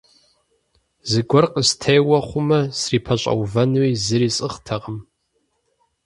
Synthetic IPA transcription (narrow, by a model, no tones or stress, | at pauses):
zɨɡʷɔrqəstʰejwɐχʷʊmɐsriːpʰɐɕʼɐ̰wvɐnwiːzɨɾiːsʼɨχtʰɐʁəm